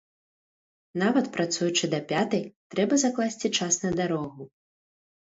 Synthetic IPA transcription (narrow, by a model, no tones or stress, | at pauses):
navɐt̪pɾat̪sujut͡ʂɨd̪ɐpʲat̪ɐjt̪ɾɛbɐzaklˠasʲt͡sʲit͡ʂasnɐd̪aɾɔɣu